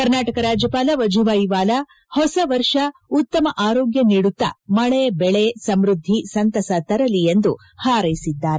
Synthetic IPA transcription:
kɐɾnaːʈɐkɐɾaːd͡ʒjɐpaːlɐʋɐd͡ʒuʋaːjiʋaːlɐ | hɔsɐʋɐɾʂɐut̪ːɐmɐʔaːɾoːɡjɐniɽut̪ːɐ̰mɐɭeɐbɛɭesɐmɾud̪ʱːisɐnt̪ɐsɐt̪ɐɾɐlijend̪u | haːɾɐjisid̪ːaːɾe

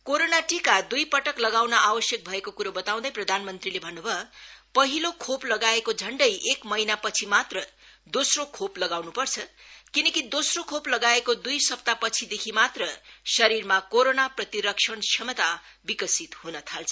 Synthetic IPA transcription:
koɾonaʈikad̪ujpʌʈʌklʌɡawnʌʔawʌsjʌk̚bʱʌekokuɾobʌt̪aw̃d̪ʌjprʌd̪ʱanmʌnt̪rilebʱʌnːubʱʌpʌɦilokʰoplʌɡaekod͡zʱʌɳɖʌjʔekmʌjnapʌt͡sʰimat̪rʌd̪osrokʰoplʌɡawnupʌrt͡sʰʌkinʌkid̪osrokʰoplʌɡaekod̪ujsʌp̚t̪apʌt͡sʰid̪ekʰimat̪rʌsʌɾirmakoɾonaprʌt̪iɾʌkʂʰʌnt͡sʰʌmʌt̪a | bikʌsit̪hunʌt̪ʰalt͡sʰʌ

